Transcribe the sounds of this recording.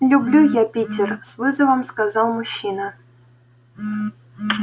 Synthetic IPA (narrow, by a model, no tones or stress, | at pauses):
lʲublʲujapʲitʲɪrsvɨzəvəmskazɑlˠmuɕːinə